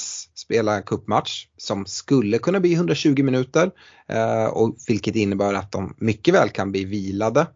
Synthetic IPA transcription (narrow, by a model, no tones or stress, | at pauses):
sspeːlaɾɛnkʰɵpːmat̪ʂsɔmskɵlːəkʰɵnːabliːɦɵnd̪ɾaɕʉ̟ːɡɪmɪnʉ̟ːt̪əɾ | ɔ̰vɪlkət̪ɪnːəbæːɾat̪̚d̪ɔmːʏkːəvɛ̰ːlkʰanbliːviːlad̪ə